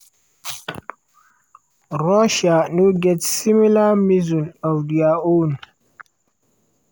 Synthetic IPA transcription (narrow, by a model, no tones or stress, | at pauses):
ɾɔʃanuɡɛtsimilamizunawdiaon